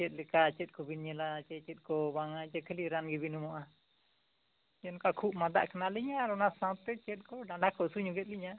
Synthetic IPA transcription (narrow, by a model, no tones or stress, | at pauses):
t͡ʃɛt̪̚lɛkat͡ʃɛt̪̚kɔbinɲɛlat͡ʃɛt͡ʃɛt̪̚ˀkɔbaŋat͡ʃɛkʰəliɾanɡibinumɔʔa | ɛnkakʰup̚mad̪a̰ʔkanaliɲaːɾɔnasãwt̪ɛt͡ʃɛt̪̚ˀkɔɖaɳɖakɔʔsuɲuɡɛt̪̚liɲa